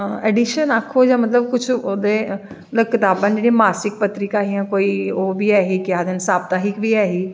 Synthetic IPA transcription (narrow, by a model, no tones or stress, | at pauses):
ɛːɖɪʃənaːkʰːoːjãːmət̪ləbkʊt͡ʃʰod̪eː | ləkːɪt̪aːbənd͡ʒeːɽimaːsɪk̚pət̪ɾɪkaːɦiãːkoːiːoːbʱiːɛːɦiːkɪjaːd̪ənsaːb̚t̪aːɦɪkbiːɛːɦiː